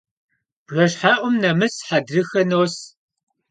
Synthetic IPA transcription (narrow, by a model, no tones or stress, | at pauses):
b̥rɐɕħaːʔʷʊmnɐmɨsħadrɨxɐnoːs